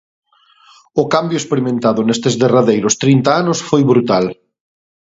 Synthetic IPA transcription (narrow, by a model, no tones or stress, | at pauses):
ʊkambjʊespeɾimẽnt̪aðʊnest̪ezðeraðejɾʊst̪ɾint̪aanʊsfojβɾut̪al